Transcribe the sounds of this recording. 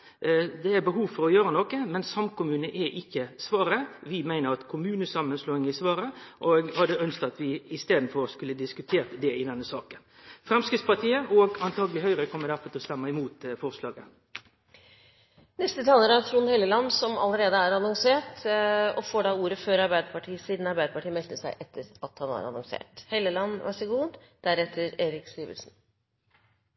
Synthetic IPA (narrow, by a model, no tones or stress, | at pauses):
d̪ɛæbəɦuːʋfɔɾɔjøːɾənɔkːəmɛnsɑmkʰʊmʉːnəʔɛʔɪçːəsʋɑːɾəʋɪmæɪnəɾɑt̪kʰʊmʉːnəsɑmənsloːɪŋɪsʋɑːɾəʔoɡhɑd̪ːəœnskt̪ɑt̪ʋɪɪst̪eːd̪n̩fɔɾskʉlːəd̪ɪskʉt̪ʰeːʁt̪d̪ɛɪd̪ɛnːəsɑːkən | fɾɛmskɾɪt̪spɑt̪ʰiːəʔɔɡɑnt̪ʰɑːɡəlɪhœʏɾəkʰɔmːədæɾfɔɾt̪ʰɪlst̪ɛmːəɪmuːt̪fɔʁslɑːɡə | nɛst̪ət̪ʰɑːləɾæt̪ʰɾuːnhɛlːəlɑnːsɔmɑ̰ləɾeːd̪əæːɾɑnɔŋseːʈɔfoːɖɑuːɾəføːɾɑɾbæɪd̪əpɑʈʰiːəsiːd̪nɑɾbæɪd̪əpɑʈʰiːəmɛt̪əsæɪʔɛt̪ʰːəɾɑt̪hɑnæ̰ɾɑ̰nɔŋsḛːʈhɛlːəlɑnːʋɑ̰səɡuːd̪d̪̥æɾɛt̪ʰːəɾeːɾɪksiːʋə̰lsn